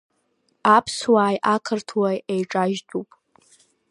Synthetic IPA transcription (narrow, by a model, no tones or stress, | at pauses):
apʰswaːjʔakʰɨrtʰwajejʈ͡ʂʼaʒdʼupʼ